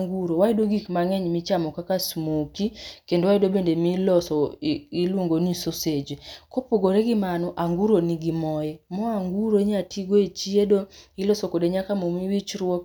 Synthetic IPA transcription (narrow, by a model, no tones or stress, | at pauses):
ŋɡuɾowaidoɡikmaŋɛɲmit͡ʃamɔkakasmokikendowaidobendemilɔsɔilwoŋɡonisosed͡ʒekopoɡoɾeɡɪmanɔʔaŋɡuɾoniɡimɔjɛmɔaŋɡuɾoeɲatʰiɡoet͡ʃiedoilɔsokodeɲakamomiwit͡ʃɾwɔk